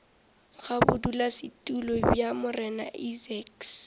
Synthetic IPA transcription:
χabʊdulasɪtulɔbjamʊrɛna̰ʔizɛks

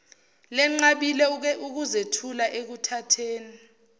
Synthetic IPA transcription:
lɛŋ͡ǀaɓilɛuk̬uzetʰulaʔek̬utʰatʰeːni

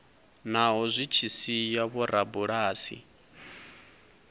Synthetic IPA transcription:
naɦɔzʷit͡ʃʰisijaβɔɾʔabuɺaːsḭ

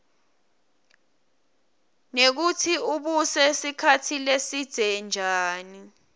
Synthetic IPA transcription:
nek̬utʰiuɓusɛsikʰatʰilesid̥ʱɛnd͡ʒʱaːni

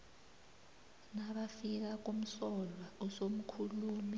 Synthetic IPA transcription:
naɓafik̬ak̬um̩sɔlwaɔsom̩kʰuluːmi

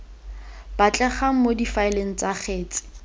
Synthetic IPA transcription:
b̥at͡ɬʼɛχaŋ̩modifaɪleŋ̩t͡saχeːt͡sʼɪ̥

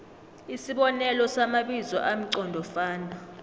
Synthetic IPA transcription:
isiɓɔnɛlɔsamaɓizɔ̰ʔam̩ǀɔndʱɔfaːndʱa

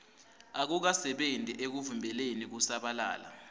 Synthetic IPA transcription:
ak̬uk̬asɛɓentʼiʔek̬uvumbʱɛlenik̬usaɓala̰ːla̰

